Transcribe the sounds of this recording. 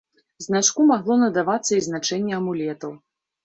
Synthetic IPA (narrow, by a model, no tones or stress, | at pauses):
znat͡ʂkumaɣlˠɔnɐd̪avat̪sːɐiznat͡ʂɛnʲːɛɐmulʲɛt̪ɐw